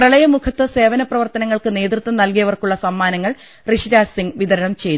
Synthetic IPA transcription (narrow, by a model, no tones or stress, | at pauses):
prɐɭɐjɐmukʰɐt̪ːɨse̞ːʋɐnɐprɐʋɐrt̪ɐnɐŋːɐɭkɨne̞ːd̪rɨt̪ːɐmnɐlkijɐʋɐrkuɭːɐsɐmːaːnɐŋːɐɭ | riʂiɾaːsiŋɡʋiðɐɾɐnɐmt͡ɕe̞j̪